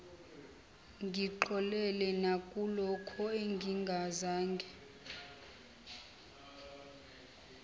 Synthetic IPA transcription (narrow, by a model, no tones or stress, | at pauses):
ŋɡʱiǃɔlɛlɛnakʼulɔkʰɔeŋɡʱiŋɡʱazaːŋɡʱɛ